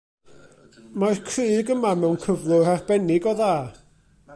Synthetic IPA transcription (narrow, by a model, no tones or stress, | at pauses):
maɨrkʰrɨːɡəmamɛwnkʰəvlˠʊrarb̥ɛnɪɡɔðaː